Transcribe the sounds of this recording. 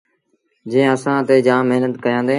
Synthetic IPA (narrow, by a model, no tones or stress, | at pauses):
d͡ʒẽːɪ̃əsãːt̪eːd͡ʒãːmɪɦnət̪kəjãːnd̪eː